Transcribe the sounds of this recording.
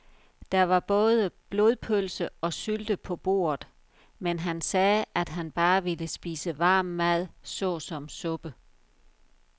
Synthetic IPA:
d̥ɑ̈ʋɑ̈b̥ɔ̽ːð̞ˠəb̥lo̝ðˠpʰølsəɒ̽syld̥əpʰɒ̽b̥o̝̰ːɐð̩ˠ | menɦænsɛːʔæd̥ɦænb̥ɑ̈ːʋiləsb̥ḭːsəʋɑ̈ːmːæð̞̰ˠsɔ̽ːsɒ̽msɔ̽b̥ə

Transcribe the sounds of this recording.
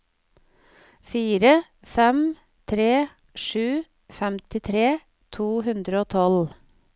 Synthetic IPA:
fiːɾə | fɛm | t̪ʰɾeː | ʃʉː | fɛmt̪ɪt̪ʰɾeː | t̪ʰuːhʉnd̪ɾəoːt̪ʰɔl

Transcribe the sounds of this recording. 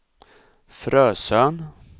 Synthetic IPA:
fɾœːsœn

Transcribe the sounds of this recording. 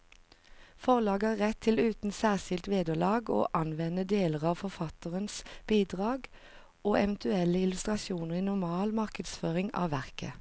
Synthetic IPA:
fɔʁlɑːɡæːʁɛt̪ʰːɪlʉːt̪n̩sæːʁsɪlt̪ʋeːd̪əlɑːɡo̰ːʔɑnʋɛnəd̪eːləʁɑːʋfɔʁfɑt̪əʁənsb̥iːd̪ʁɑːɡ | ʔoːɛʋənt̪ʉɛləɪlʉst̪ʁɑʃuːnəʁiːnʊʁmɑːlmɑʁkəd̪sføːʁɪŋɑ̰ːʋæʁkə̰

